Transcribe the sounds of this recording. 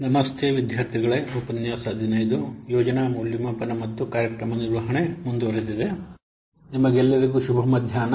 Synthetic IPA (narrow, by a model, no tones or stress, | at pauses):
nɐmɐst̪ʰeʋid̪ʱjaːɾt̪ʰiɡɐɭeupɐnjaːsɐːd̪ʱinɐjd̪ujɔːd͡ʒɐnamuːljimɐpɐnɐmɐt̪ːukaːɾjɐkɾɐmɐniɾʋɐɦɐɳemund̪uʋɐɾed̪id̪e | nimɐɡɛlːɐɾiɡuʃubʱɐmɐd̪ʱjaːnɐ